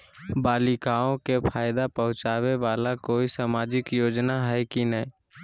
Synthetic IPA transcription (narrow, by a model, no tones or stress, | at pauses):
baːlɪkaːõkepʰaːjd̪apəɦʊ̃t͡ʃaːweʋaːlakoːisaːmaːd͡ʒɪkjoːd͡ʒnaɦɛkinəɦĩ